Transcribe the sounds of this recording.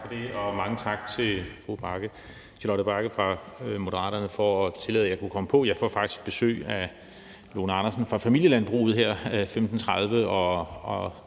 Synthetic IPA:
fɒd̥e̝ɒ̽mɑ̈ŋət͡sʰɑ̈ɡ̥̚t͡sʰe̝fʁub̥ɑɡ̥ə | t͡sʰe̝lɒɾəb̥ɑ̈ɡ̥əfʁɑ̈mo̝d̥əʁɑ̰̈ːɾɐnəfɒːt͡sʰe̝lɛ̰ðˠjɑ̈ɪkʰukʰɒ̽məpʰɒ̽jɑ̈ɪfɒfɑ̈ɡ̥d̥i̥sɡ̥̚b̥e̝sø̰ːæ | lo̝ːnɑ̈nɐsn̩fʁɑ̈fæmil̰jəlænb̥ʁṵːð̰ˠɦeɐ̰femd̥n̩t͡sʰʁɑð̞ˠʋəɒ̽ɒ

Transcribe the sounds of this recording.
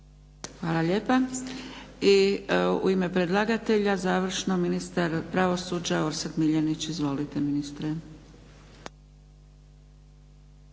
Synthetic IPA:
xʋaːlˠaʎe̞ːpa | iṵime̞pɾed̪lˠaɡat̪e̞ʎazaːʋr̩ʃnominist̪aɾpɾaʋo̞sud͡ʑao̞ɾsekmiʎenit͡ɕizʋo̞lit̪eminist̪ɾe

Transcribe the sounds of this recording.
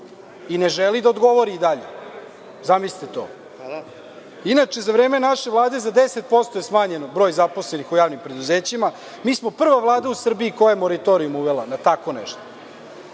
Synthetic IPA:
ineʒelid̪aod̪ɡo̞ʋoɾiːd̪aʎḛ | zamisi̥t̪et̪o̞̰ː | inat͡ʂe̞zaʋɾe̞ːme̞naʃeʋlˠaːd̪ezad̪eset̪̚po̞st̪ojesmaːɲenobɾo̞ːjzaposlenixujaːʋnimpɾe̞d̪uzeːt͡ɕima | miːsmo̞pr̩ʋaʋlˠaːd̪ausr̩biikojajemo̞ɾat̪o̞ɾijumuʋelˠanat̪ako̞nḛʃt̪o̥

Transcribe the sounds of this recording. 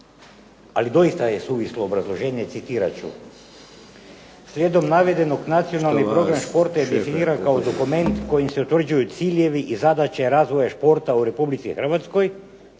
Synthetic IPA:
a̰lid̪o̞ist̪ajesuʋislˠoːbɾazlˠoʒeːɲet̪sit̪iɾa̰t͡ʃṵ | svʲjed̪omnaʋed̪enoɡnat̪sio̞nalˠnippɾo̞ɡɾamʃpo̞ɾt̪ajed̪efiniɾankaod̪okument̪kojimseut̪vr̩d͡ʒujut̪siljeʋiʔizad̪at͡ʃaɾazʋojaʃpo̞ɾt̪auɾepublit̪sixr̩ʋat̪skoj

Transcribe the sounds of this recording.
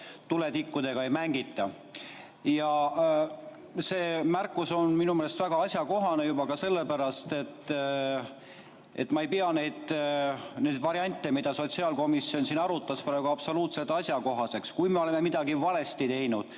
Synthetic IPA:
t̪ulet̪ikːud̪e̞ɡ̥ɑe̞jmæŋɡ̥it̪ːˑɑ | jɑ | se̞ːmærkːˑuso̞nminumeːle̞st̪væɡ̥ɑɑsʲjɑko̞ɦɑne̞jubɑkɑse̞lːepæɾɑst̪e̞t̪ˑː | e̞̰t̪ːmɑejpiɑne̞jd̪̥ | ne̞jd̪vɑɾiɑnʲt̪ːˑe̞mid̪̥ɑso̞t̪siɑːlko̞misːio̞nsiːnɑɾut̪ˑːɑsprɑːɡuɑpso̞luːt̪se̞t̪ːˑɑsʲjɑko̞ɦɑse̞kskujme̞o̞le̞memid̪̥ɑɡivɑle̞st̪it̪e̞jnud̪̥

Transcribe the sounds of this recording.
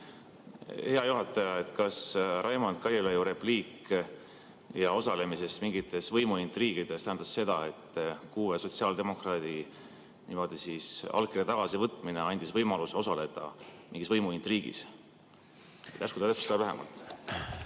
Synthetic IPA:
he̞ɑjuɦɑt̪ːˑɑjɑe̞t̪kɑsrʔɑjmond̪̥̚kɑɾʲɑlejuɾe̞pliːk | jɑo̞sɑle̞mise̞st̪miŋɡit̪ːˑe̞svɤjmuint̪riːkid̪̥e̞st̪æɦænd̪̥ɑsːe̞d̪̥ɑe̞t̪ːˑkuːveso̞t̪siɑːld̪e̞mo̞krɑːd̪̥i | niːmo̞d̪̥isisɑ̰lɡkːˑirjɑt̪ɑɡ̥ɑsivɤt̪ːˑmine̞ɑnʲd̪̥isvɤjmɑluso̞sɑle̞d̪̥ɑ̰mḭŋɡ̥isvɤjmuint̪riːɡ̥ḭs | et̪æskut̪ɑt̪æpsɑvæɦḛmɑ̰lt̪

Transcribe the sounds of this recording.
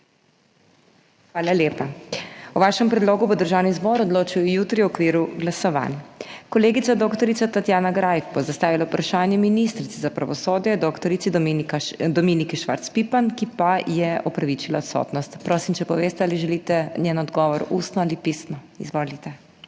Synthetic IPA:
xʋaːlaljeːpauʋaːʃɛmpɾɛd̪loːɡubɔd̪əɾʒawnizbɔːɾɔd̪loːt͡ʃujɔjuːt̪ɾiwɔkʋiːɾuɡlasɔʋa̰ːnjakɔleːɡit̪sad̪okt̪ɔɾit̪sat̪at̪jaːnaɡɾajkbɔzast̪aːʋilaupɾaʃaːnjɛminist̪ɾit̪sɛzapɾa̰ʋɔsoːd̪jɛd̪okt̪ɔɾit̪sid̪ɔmd̪ɔmiːnikɛʃʋa̰ɾt̪spipankipajɛɔpɾaʋit͡ʃilaɔt̪sɔ̰t̪nɔst̪pɾoːsimt͡ʃɛpɔʋeːst̪ɛaliʒɛlit̪ɛnʲjenɔd̪ɡɔːʋɔɾuːst̪nɔalipisnɔ | izʋoːlit̪ɛ

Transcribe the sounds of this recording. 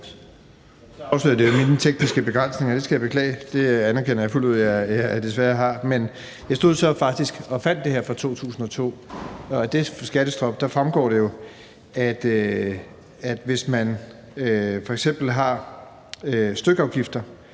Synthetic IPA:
ɒʊsløð̰ˠd̥ejominət͡sʰeɡ̥̚nisɡ̥əbe̝ɡ̥ʁan̰sne̝ŋɐd̥e̝sɡ̥æjɑ̈bekʰlɛ̰ɪd̥e̝ænɐkʰen̰ɐjɑ̈ɪfuluð̞̰ˠjɑd̥e̝sʋæɐɦɑ̈men | jɑ̈sd̥o̝ð̞ˠsɒ̽fɑ̈ɡ̥d̥isɡ̥ɒ̽fæn̰d̥ːe̝heɐfʁɒ̈t͡sʰo̝̰ːt͡sʰṵːsn̩ɒ̽t͡sʰo̝̰ː | d̥e̝sɡ̥æɾ̥əsd̥ʁɒ̽b̥d̥ɑ̈fʁamɡ̥ɒ̰ːɾ̥e̝jo̝ | æd̥ | æd̥ʋe̝smæn | fɒ̽eɡ̥sem̰b̥l̩ɦɑ̈ | øsd̥øɡ̥ɑ̈ʊɡ̥ifd̥ɐ

